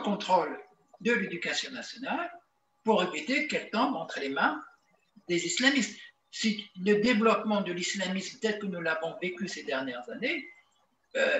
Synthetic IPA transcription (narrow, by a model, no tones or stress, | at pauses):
kɔ̃t̪χol | d̪əled̪ykasjɔ̃nasjɔnal | puʁevit̪ekɛlt̪ɑ̃bɑ̃t̪χəlemɛ̃ | d̪ezislamist̪ | siləd̪evlɔpmɑ̃d̪əlislamismpət̪ɛt̪χəkənulavɔ̃vekʲysed̪ɛʁnjɛʁzane | ø